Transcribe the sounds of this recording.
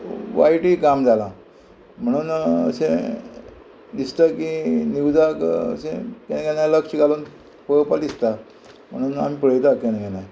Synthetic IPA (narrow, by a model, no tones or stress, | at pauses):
ʋa̰jʈikamd͡zʱalã | m̤əɽ̃uːnə̰sẽ | d̪ist̪akiniwd͡zakə̰sẽkɛnɡɛaləkʂiɡaluːn | pəpalist̪a | m̤əɽ̃uːna̰m̤ipəɽəjt̪akɛnɡɛnaj